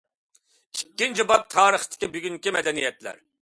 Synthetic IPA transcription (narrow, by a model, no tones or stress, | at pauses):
ikʲːind͡ʒibɑp̚t̪ʰɑːɾəχt̪ʰɪ̥kʲibyɡʲyŋkʲimɛd̪ɛnijɛt̪læ̰ɾ